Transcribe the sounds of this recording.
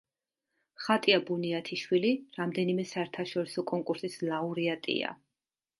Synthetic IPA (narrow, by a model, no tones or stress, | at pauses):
χat̪ʼiabuniat̪ʰiʃwiliɾamd̪ɛnimɛsaɛɾt̪ʰaʃɔɾisɔkʼɔŋkʼuɾsislauɾiat̪ʼḭa̰